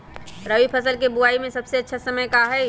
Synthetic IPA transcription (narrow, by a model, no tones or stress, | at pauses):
ɾɐʋipʰɐsəlkebʊaːimẽsɐbseɐtːʃʰasɐməjkaɦɛː